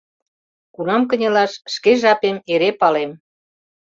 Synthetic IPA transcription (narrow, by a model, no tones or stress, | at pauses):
kunɑmk̬ə̆nʲelɑʃʃkeʒɑpemeɾepɑlem